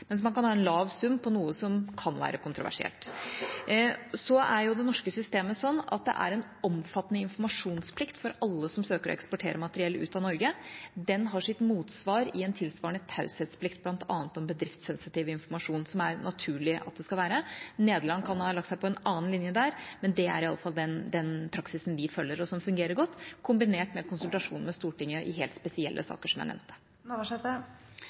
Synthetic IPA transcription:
mɛns̬mɑnkɑnhɑːɛnlɑːʋsʉmːpʰɔnuːəsɔmkʰɑnʋæ̰ːɾəkʰʊnt̪ɾʊʋæ̰ʂɪ̰ɛ̰lt̪ | sɔæɾjʊd̪ɛnɔʂkəsʏst̪eːməsɔnːɑ̰t̪̚d̪ɛ̰ʔæ̰ɾɛn | ɔmfɑt̪nəɪnfɔɾmɑʂuːnspʰlɪkt̪fɔɾɑlːəsɔmsøːkəɾɔ̰ɛkspɔʈʰeːɾʔəmɑt̪əɾɪɛlːəʉ̰ːt̪ɑnɔɾɡəd̪ɛnɦɑʂɪt̪muːt̪sʋɑːɾɪɛnt̪ʰɪlsʋɑːɾəɳət̪ʰɑʉsɛt̪spʰlɪkt̪̚blɑnt̪ʰɑ̰ːnət̪ɔmbəd̪ɾɪft̪sɛnsɪt̪iːʋəɪnfɔɾmɑʂuːnsɔmæɾnɑt̪ʰʉːɭɪʔɑt̪̚d̪ɛskɑlʋæːɾəneːd̪əlɑŋːkʰɑnmɑnhɑlɑk̚t̪sæɪpʰɔɛnɑːn̩lɪnjəd̪æːɾmɛnd̪ɛæ̰ɾɪɑlːəfɑld̪ɛnd̪ɛnpʰɾɑksɪsn̩ʋɪfœlːəɾɔsɔmfʉŋɡeːɾəɾɡɔt̪ːkʰʊmbɪneːʈmɛkʰʊnsʉlt̪ɑʂṵːnmɛst̪uːʈɪŋːjəʔɪɦḛːlt̪spɛsɪɛlːʔə̰sɑ̰ːkəʂɔmjæ̰ɪnɛ̰ʋmnt̪ə̥ | ɑʂɛt̪ə

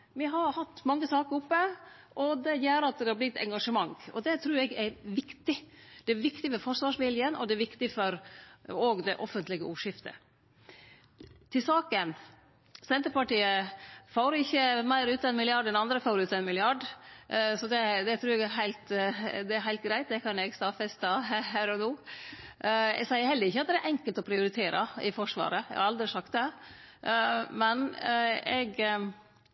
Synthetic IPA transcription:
mɪɦɑɾhɑt̪ːmɑŋːəsɑːkəɾʊpːə | ʔɔd̪ɛjæːɾəɑt̪̚d̪ɛhɑblɪt̪ɛ̰ŋɡɑʂəmɑŋɔ̰d̪ɛt̪ʰɾʉːɾɛɡæɾʋɪkt̪ɪd̪̥ɛæʋɪkt̪ɪfɔɾfɔɾʂʋɑːʂʋɪljənʔɔ̰d̪ɛɛɾʋɪkt̪ɪfɔɾoːɡd̪ɛʔɔfənt̪lɪɡəʔuːʂɪft̪ə̰ | t̪ʰɪlsɑːkən | sɛnt̪əɾpɑʈiːəfɑːɾɪçːəmæɪɾʉːt̪ɑɛnmɪlɪɑɖɛnɑnd̪ɾəfɑːɾʉːt̪ɑɛnmɪlɪɑɖ | sɔd̪ɛd̪ɛt̪ʰɾʉːɾɛɡæɦæɪlt̪d̪ɛæɾhæɪlt̪̚ɡɾæɪt̪̚d̪ɛkʰɑnɛɡst̪ɑːfɛst̪ɑhɦæːɾɔnoː | ɛ̰ɡsæɪəɾhɛld̪əɾɪçːəɑt̪̚d̪ɛæɾʔɛŋkəlt̪ɔpʰɾɪʊɾɪt̪ʰeːɾəɪfɔʂʋɑ̰ːɾəɛ̰ɡɑɾɑld̪ɾɪsɑk̚t̪̚d̪ɛ | mɛnɛɡ

